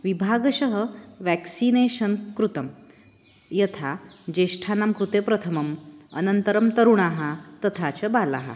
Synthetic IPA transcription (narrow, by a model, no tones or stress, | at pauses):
ʋibʱaɡɕəɦəʋɛksineɕənkɾut̪ɐm | jɐt̪ʰad͡ʑeʂʈʰanamkɾut̪epɾɐt̪ʰəmɐmə̰nənt̪əɾəmt̪əɾuɳaɦat̪ət̪ʰat͡ɕəbala̰ɦa̰